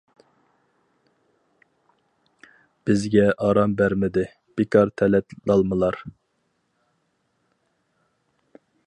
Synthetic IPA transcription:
b̥ɪzɡʲɛʔɑɾɑmbæɾmɪd̪ɪ | b̥ɪkʰɑɾt̪ʰɛlɛt̪lɑlˠmɨlˠɑɾ

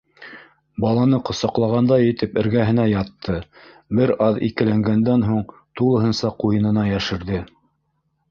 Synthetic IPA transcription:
bɑlˠɑnɤqŏsɑqlˠɑʁɑnd̪ɑjɘ̆t̪ɘpɘ̆ɾɡæɦɘ̆næjɑt̪ʰːɤ | bɘɾɑðḭkɘ̆læŋɡænd̪ænɦuɴ | t̪ulˠɤ̆ɦɤnsɑqujɤ̆nɤ̆nɑjæʃɘ̆ɾðɘ

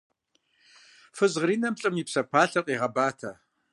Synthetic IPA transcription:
fɨzʁriːnɐmɕʼɨmipsɐpʰaːɬɐqʼiːʁɐbaːtʰɐ

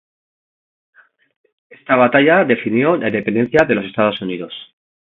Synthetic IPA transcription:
e̞st̪aβat̪aʝaðe̞finjo̞lanðd̪e̞pe̞nd̪e̞n̟θjaðe̞lo̞se̞st̪að̞o̞suniðo̞s

